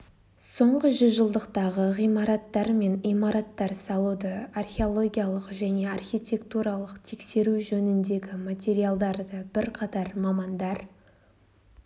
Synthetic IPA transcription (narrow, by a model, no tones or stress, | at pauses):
so̞ɴʁəʒʏzʒəlˠd̪əqt̪ɑʁəʁijmɑɾɑt̪ːɑɾme̞nijmɑɾɑt̪ːɑɾsɑlˠud̪əarχʲe̞o̞lˠo̞ɡʲijalˠəqʒæne̞arxʲijt̪ʲe̞kt̪uɾɑlˠəqt̪ʰe̞kse̞ɾuʒɵnɪnd̪e̞ɡʲɪmat̪ʲe̞ɾijalˠd̪ɑɾd̪əbɪɾqʰɑt̪ɑɾmɑmɑnd̪ɑɾ